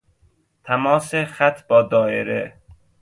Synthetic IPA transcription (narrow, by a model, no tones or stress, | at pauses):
t̪ʰæmɒːsexæt̪ʰb̥ɒːd̪ɒːeɾe